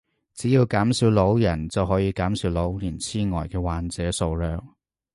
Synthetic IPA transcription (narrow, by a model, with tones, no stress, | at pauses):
t͡siː˨˥jiː˧wkaː˨˥msiː˨˧˥wlo˨˥wjɐ˨˩nt͡sɐ˨wɦɔː˨˥jiː˧kaː˨˥msiː˨˥wlo˨˥wliː˨˩nt͡sʰiː˥ŋɔː˨˩jkɛː˧waː˨nt͡sɛː˨˥so˨˧wlœː˨k̚